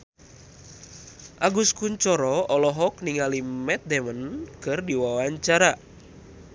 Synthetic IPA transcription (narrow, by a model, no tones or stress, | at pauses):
ʔaɡuskuɲt͡ʃɔɾɔɔlɔɦɔkniŋalimɛt̪̚dɛmənkɨrdiwawaɲt͡ʃaɾa